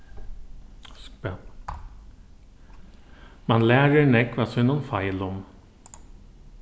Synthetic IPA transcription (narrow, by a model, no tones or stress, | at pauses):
spɛ | mɑnlæːɹəɳɛkʋɑsɛnonfɑɪlɔm